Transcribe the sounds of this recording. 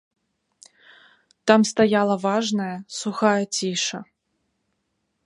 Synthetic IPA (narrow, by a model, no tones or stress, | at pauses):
t̪amst̪ajalˠɐvaʐnɐjɐsuxajɐt͡sʲiʂɐ